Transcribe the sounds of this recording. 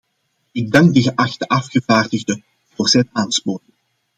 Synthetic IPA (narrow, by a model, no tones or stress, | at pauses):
ɪɡ̚dɑŋɡ̚dəɣəʔɑxtəʔɑfxəvaːrdəɣdə | voːrzɛtaːnspoːtɪŋ